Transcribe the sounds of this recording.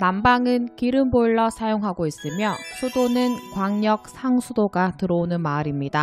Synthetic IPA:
nambaŋɯnkiɾɯmboɭːʌsʰajoŋɦaɡois͈ɯmjʌsʰudonɯnkwaŋɲʌk̚sʰaŋsʰudoɡatɯɾʌonɯnmaɾimɲida

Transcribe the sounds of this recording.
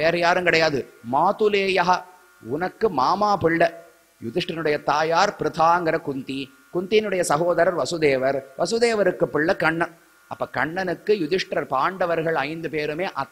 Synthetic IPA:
eːɾɐjaːɾɯŋkɪɽɐjaːðɯmaːt̪ɯleːjɐɦɐ | ʊnɐkːɯmaːmaːpɪɭːɐ | jʊðɪʂʈɾɐnɯɽɐjɐt̪aːjaːɾpɪɾɐt̪ʰaːŋɡɐɾɐkʊnt̪i | kʊnt̪ijɪnɯɽɐjɐsɐɦoːðɐɾɐɾʋɐsʊðeːʋɐɾʋɐsʊðeːʋɐɾɯkːɯpːɪɭːɐkɐɳːɐn | ɐpːɐkɐɳːɐnɯkːɯjʊðɪʂʈɾɐɾpaːɳɖɐʋɐɾɣɐɭɐɪnd̪ɯpeːɾɯmeːʔɐ

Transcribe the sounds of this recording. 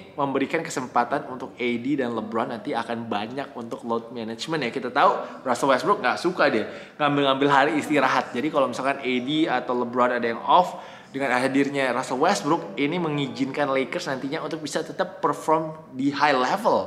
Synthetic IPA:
məmbəɾikankəsəmpat̪anunt̪ʊk̚edidanləbɾoanːant̪iakanbaɲak̚unt̪ʊk̚lot̪̚mɛnat͡ʃmənjakit̪at̪au | rasawɛst̪bɾʊk̚ŋɡaʔsukadɛ | ŋambɪlŋambɪlɦaɾiːst̪iɾaɦat̪̚d͡ʒadikalomisalkanediat̪awləbɾɔanadajaŋɔf | dəŋanaɦadirɲaɾasawɛst̪̚bɾʊkiniməŋid͡ʒɪnkanlekərsnant̪iɲaunt̪ʊk̚bisat̪ət̪əpːərfɔrm | dihajlɛvəl

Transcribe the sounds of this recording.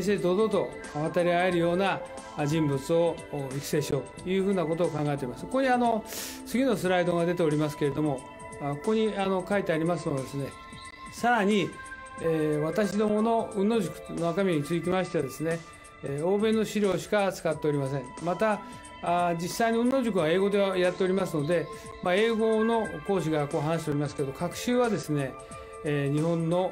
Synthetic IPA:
ɕied̪o̞d̪o̞t̪o̞̰ | βat̪aɾʲiae̞ɾɯ̟jo̞ːna | d͡ʑĩmbɯ̟t͡sɨo̞ikse̞ːɕio̞ːt̪jɯ̟ːɸɯ̟ːnako̞t̪̬oːkãŋɡae̞t̪eɾimaskokoɲ̟iano̞ | t͡sɨɡʲinosɨɾaid̪o̞ɡad̪e̞t̪̬e̞o̞ɾʲimasɨ̥ke̞ɾe̞d̪o̞mo̞ | koko̞ɲ̟iano̞kait̪e̞aɾʲimasɨmod̪e̞sɨne̞ | saɾaɲ̟i | βat̪aɕ̬id̪o̞mo̞no̞ɯ̟̃nːo̞ːʑɨkɯ̥noakamʲieɲ̟it͡sɨik̬ʲimaɕit̪e̞ad̪e̞sɨne̞ | o̞ːbẽ̞nːo̞ɕiɾʲo̞ːɕi̥kat͡sɨ̥kat̪ːe̞o̞ɾʲimas̬ẽ̞ŋmat̪a | d͡ʑisːainoɯ̃nːo̞ːʑɨk̬ɯ̟βae̞ːɡo̞d̪e̞βajat̪ːe̞o̞ɾʲimasɨno̞d̪e̞ | mae̞ːɡo̞no̞ko̞ːɕ̬iɡako̞ːɦanaɕi̥t̪oɾʲimasɨ̥keeokakɯ̟̥ɕɨːβad̪e̞sɨne̞ | ɲ̟ihõ̞nːo̞

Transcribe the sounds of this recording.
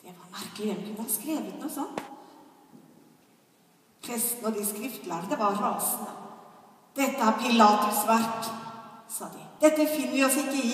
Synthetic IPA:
d̪̥ɛʋɑɾmæɾkəlɪəlkʰʉnəhɑskɾeːʋət̪nuːsɔnt̪ | pʰɾɛst̪nəd̪ɪskɾɪft̪læɾd̪əʋɑɾɑːsənə | d̪̥ɛt̪ːəæɾpʰɪlɑːt̪ʊsʋæɾʈ | sɑːd̪ɪd̪̥ɛt̪ːəfɪnːəɾɪɔsɪkːəɪ

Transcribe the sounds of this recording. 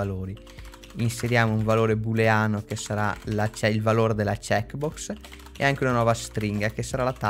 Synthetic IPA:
aloːɾi | inseɾjaːmouɱvaloːɾebuleaːnokesaɾalat͡ʃɛilvaloːɾed̪elat͡ʃɛkbɔks | ḛaŋkeunanɔːvast̪ɾiŋɡakesaɾalat̪a

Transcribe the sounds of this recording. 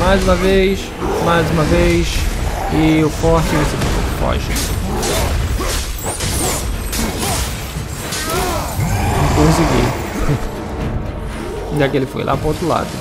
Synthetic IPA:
majzũmɐvejʃ | majzũmɐvejʃɪʊfɔɾt͡ʃɪvesipũpo̰kfɔ̰ʒi | ẽkõziɡḭ | d̪akɪelɪfo̰jlʔa̰pɾowt̪ɾʊla̰d̪ʊ

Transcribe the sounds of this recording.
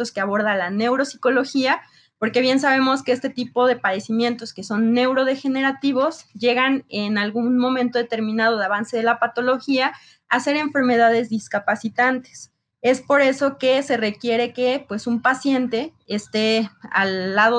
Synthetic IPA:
oskeaβ̞o̞ɾðalane̞wɾosi̥ko̞lo̞xia | po̞ɾke̞βje̞ns̬aβ̞e̞mo̞skeest̪e̞t̪ipo̞ðe̞paðe̞simje̞nt̪o̞skeso̞nːe̞wɾo̞ð̞e̞xe̞ne̞ɾat̪iβo̞zʝe̞ɣanenalɣunmõ̞mẽnt̪o̞ð̞et̪e̞ɾmĩnaðo̞ðaβanse̞ð̞e̞lapat̪o̞lo̞xia | ase̞ɾe̞ɱfe̞ɾme̞ðaðe̞zðiskapasit̪ant̪es | e̞spo̞ɾe̞so̞ke̞se̞re̞kje̞ɾe̞ke̞pwe̞sumpasje̞nt̪e̞ː | st̪e̞a̰lːaðo

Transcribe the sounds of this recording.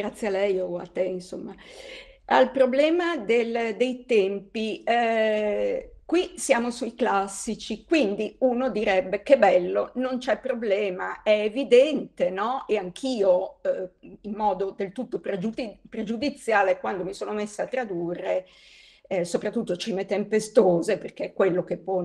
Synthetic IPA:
ɡɾat̪sːjealɛjoa̰t̪ːeinso̰mːa | a̰lpɾoblɛːmad̪eld̪ejt̪ɛmpi | kwisjaːmosuiklasːit͡ʃikwind̪iuːnod̪iɾɛbːekebɛlːonont͡ʃɛpːɾoblɛːmaɛːvid̪ɛnt̪enɔeaŋkʰiːo | imːɔːd̪od̪elt̪ut̪ːopɾed͡ʒuipɾed͡ʒud̪it̪sːjaːlekwand̪omisoːnomesːaat̪ːɾad̪uːrːe | sopɾat̪ːut̪ːot͡ʃimet̪empest̪oːzeperk̟ekːwelːokepːɔ

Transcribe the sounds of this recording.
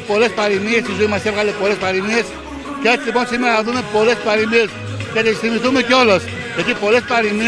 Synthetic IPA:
po̞le̞spɐɾimiest̪izoimɐsevɣalepo̞lespɐɾimies | ceet͡silipo̞nsimeɾɐɐðumepo̞lespɐɾimies | cet̪esθimiθumeceo̞lɐs | ecipo̞le̞spɐɾimi

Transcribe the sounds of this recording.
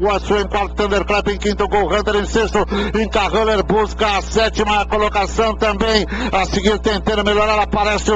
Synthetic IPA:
ɐsuẽj̃kwaɾt̪ʊ̥t̪ɐ̃nd̪eɾklɛpẽj̃kĩnt̪ʊɡowʁɐ̃nd̪eɾẽj̃sest̪ʊẽkaʁɐleɾbuskɐːsɛt͡ʃ̪imɐkolokasɐ̃w̃t̪ɐ̃mbẽj̃ɐsiɡĩd̪t̪ẽnt̪ẽɾɐmeʎɔɾaɾapaɾɛsɪ

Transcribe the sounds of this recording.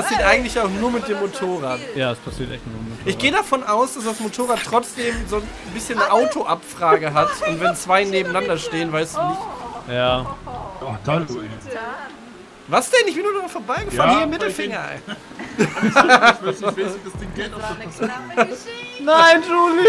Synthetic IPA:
pasiːɐtʔaɪɡŋ̩tlɪçaʊxnuːɐmɪt̚d̥eːmːotʰoːʁaːtjaːɐspʰasiːɐtʔɛ̰çtnuʔɪçɡ̥eːədafɔnʔaʊsd̥asd̥asmotʰoːʁaːtʁ̥ɔt͡sd̥eːmzoːnbɪsçənːəʔaʊtʰoʔapfʁ̥aːɡəɦatʊntvɛnt͡sv̥aɪneːbm̩nandɐʃteːənvaɪsd̥uːnɪçtjaː | vaːɐsd̥ɛnɪçv̥iːnuːdumfoːɐbaɪɡəffaːnhiːɐɪmɪtl̩fɪŋɐ | d̥asd̥ɪŋɡt | naɪnd͡ʒuli

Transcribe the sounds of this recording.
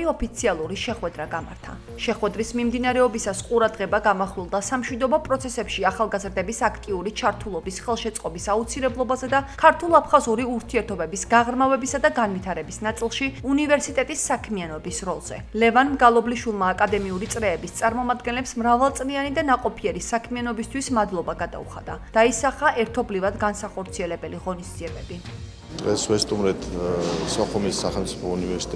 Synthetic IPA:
iɔpʰit̪sʰialˠuɾiʃɛχwɛd̪ɾaɡama̰ɾt̪ʰa̰ | ʃɛχwɛd̪ɾismimd̪inaɾɛɔbisasqʼuɾad̪ʁɛbaɡamaχwilˠd̪asamʃwid̪ɔbɔpʼɾɔt̪sʰɛsɛpʃiaχalˠɡazɾd̪ɛbisakʰt̪ʼiuɾit͡ʃʰaɾt̪ʰulˠɔbisχɛlˠʃɛt̪sʼqʼɔbisaut̪sʰilɛblˠɔbazɛd̪akʰaɾt̪ʰulˠapʰχazuɾiuɾt̪ʰiɛɾt̪ʰɔbɛbisɡaʁɾmavɛbisad̪aɡanvit̪ʰaɾɛbisnat̪sʼilˠʃiunivɛɾsit̪ʼɛt̪ʼisːakʰmianɔbisɾɔlˠz̥ɛ̰lɛvanmɡalˠɔbliʃwilˠmaːkʼad̪ɛmiuɾit̪sʼɾɛːbist̪sʼaɾmɔmad̪̚ɡɛnlɛpsmɾavalˠt̪sʼlianid̪anaqʼɔpʰiɛɾisakʰmianɔbist̪ʰwismad̪lˠɔbaɡad̪a̰ṵχa̰d̪̥ad̪̥aisaχaʔɛɾt̪ʰɔblivad̪ɡansaχɔɾt̪sʰiɛlɛbɛliʁɔnisd̪z̥iɛbɛbi | d̪̥ʁɛsvɛst̪ʼumɾɛt̪ʰsɔχumisːaχɛlˠmt̪sʼipʰɔunivɛɾsi̥t̪ʼ

